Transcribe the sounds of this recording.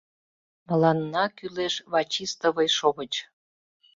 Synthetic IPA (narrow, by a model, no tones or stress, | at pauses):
mə̆lɑnːɑkyleʃβɑt͡ɕist̪əβəjʃoɣət͡ɕ